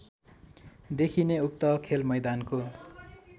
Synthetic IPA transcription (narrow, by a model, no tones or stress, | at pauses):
d̪ekʰineuk̚t̪ʌkʰelmʌjd̪anko